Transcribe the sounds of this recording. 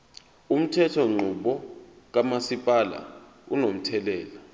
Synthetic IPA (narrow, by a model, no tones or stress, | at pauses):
um̩tʰɛtʰɔŋ͡ǃʱuɓɔ | k̬amasipʼala̰ | unom̩tʰɛlɛːla